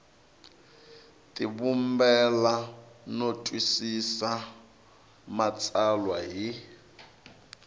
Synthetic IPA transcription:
tʼiβumbɛlanotʼwisisa | mat͡sʼalwaɦi

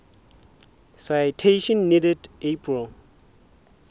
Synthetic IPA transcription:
sajtʰeʃɔ̃nːidɛdʔepʰɹil

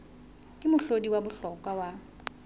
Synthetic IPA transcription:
kʼɪmʊɬodiwabʊɬɔkʼwawa

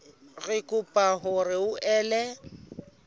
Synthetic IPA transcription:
rɪkʼʊpʼaɦʊrɪʊʔɛːlɛ

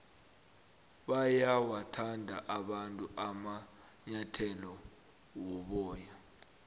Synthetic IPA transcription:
ɓajawatʰandʱa̰ʔaɓantʼuʔama | ɲatʰɛlɔ | wɔɓɔːja

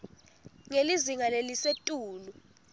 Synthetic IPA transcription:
ŋeliziŋalelisetʼuːlu

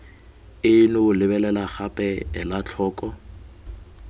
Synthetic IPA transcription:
ɪnʊʊlɪbɛlɛlaχapʼɛɛlat͡ɬʰɔːkʼɔ

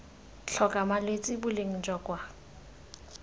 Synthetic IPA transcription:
t͡ɬʰɔkʼamalwet͡sʼɪbʊleŋ̩d͡ʒɔkʼwa

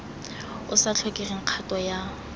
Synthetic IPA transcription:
ʊsat͡ɬʰʊkʼiriŋ̩q͡χʰatʼɔja

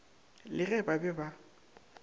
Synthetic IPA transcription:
lɪɣɛbabɛba

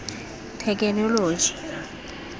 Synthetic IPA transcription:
tʰɛk̬ʼɛnɔloːd͡ʒi̥

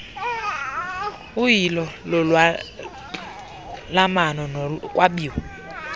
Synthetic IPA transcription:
ujilɔlɔlwa | lamanɔnɔkʼwaɓiːwu

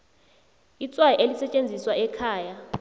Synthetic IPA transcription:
it͡sʼwajɛʔelisɛt͡ʃʼend͡zʱiswaɛkʰaːja

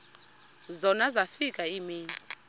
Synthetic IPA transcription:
zɔnazafikʼaimiːni

